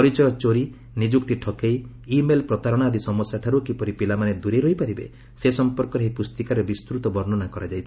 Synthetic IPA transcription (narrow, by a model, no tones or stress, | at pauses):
pɔɾit͡ʃɔjɔt͡ʃoɾi | nid͡ʒuk̚t̪iʈʰɔkejː | melpɾɔt̪aɾɔɽ̃ad̪isɔmɔsaʈʰaɾukipɔɾipilamaned̪uɾeɾɔɦipaɾibḛ | sesɔmpɔɾkɔɾeɦipust̪ikaɾebist̪ɾut̪ɔbɔɾnɔnakɔɾad͡ʒajt͡ʃʰ